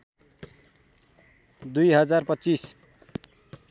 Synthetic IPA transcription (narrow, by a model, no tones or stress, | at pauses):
d̪ujɦʌd͡zarpʌtːt͡sis